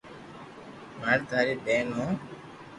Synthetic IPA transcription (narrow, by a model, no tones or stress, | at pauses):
maːɾt̪aːɾiːbeːnõː